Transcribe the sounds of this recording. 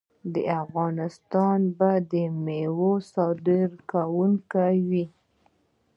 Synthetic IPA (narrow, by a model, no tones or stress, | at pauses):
d̪ə̰afɣɑnɪst̪ɑnbad̪əmewosɑd̪ɪɾkawuŋkawi